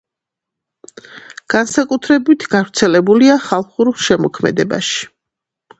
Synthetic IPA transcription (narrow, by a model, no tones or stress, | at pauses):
ɡ̥ansakʼut̪ʰɾɛbit̪ʰɡavɾt̪sʰɛlɛbuliaχalˠχuɾʃɛmɔkʰmɛ̰d̪ɛba̰ʃi̥